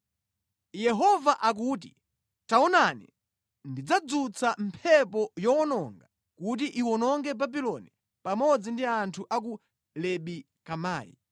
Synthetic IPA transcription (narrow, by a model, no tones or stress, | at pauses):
jɛɦɔvaʔak̬ut̬i | taɔnanḭ | ndid͡zad͡zut͡sʰam̩pʰɛpɔjɔwɔnɔŋɡa | kut̬iʔiwɔnɔŋɡɛbabilɔni | pamɔd͡zindiantʰuʔak̬u | lɛɓi | kamaːjḭ